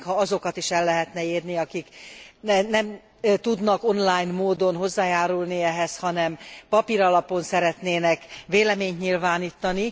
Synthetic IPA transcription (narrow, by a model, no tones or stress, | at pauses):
khɒɒzo̞kɒt̪iʃɛlːɛɦɛt̪nɛeːrniɒkiknɛnɛm | t̪ud̪nɒko̞nlaːjnmoːd̪o̞nɦo̞zːaːjaːɾulniɛɦɛshɒnɛmpɒpiɾɒlɒpo̞nsɛɾɛt̪neːnɛkʋeːlɛmeːɲt̪ɲilvaːniːt̪ːɒni